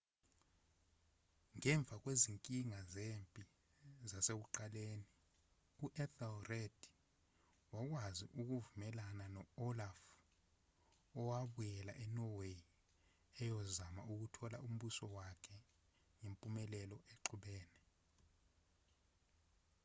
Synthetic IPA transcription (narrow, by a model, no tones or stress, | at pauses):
ŋɛɱb̪vʱak̬weziŋkʼiŋazempʼi | zaseɓuǃaleːni | uʔɛθɛlred̥ʱ | wak̬wazḭʔuk̬uvumɛlananɔɔlaf | ɔwaɓujɛla̰ʔɛnɔwe | ɛjɔzamauk̬utʰɔla̰ʔum̩ɓusɔwakʰɛ | ŋempʼumɛlɛlɔʔeǃuɓɛːnɛ